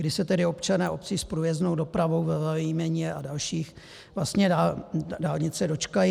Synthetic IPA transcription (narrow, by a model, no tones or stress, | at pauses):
ɡdɪsɛt̪ɛdɪo̞pt͡ʃanɛːʔo̞pt͡siːspɾujɛznowdo̞pɾavowvɛzaimɛɲɛʔadalʃiːx | vlast̪ɲɛdaːdaːlɲɪt͡sɛdo̞t͡ʃkaji